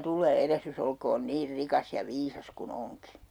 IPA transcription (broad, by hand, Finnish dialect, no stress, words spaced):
tulˑeː erehrys olkoːn niːr rikɑs jɑ ʋiːsɑs kun oŋki